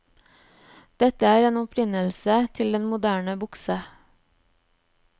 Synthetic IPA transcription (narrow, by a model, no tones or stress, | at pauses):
d̪̥ɛt̪əæːɾeːnɔpʰɾɪnəlsət̪ʰɪld̪ɛnmʊd̪æːɳəbʊksə